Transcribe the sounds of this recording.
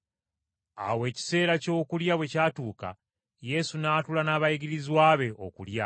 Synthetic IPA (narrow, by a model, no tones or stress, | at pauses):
a̰we̞ːci̥se̞ːɾaco̞ːkuljaβwe̞caːtuːka̰ | je̞sunaːtulanaβaiɡiɾizwaːβe̞ʔo̞̰kṵlja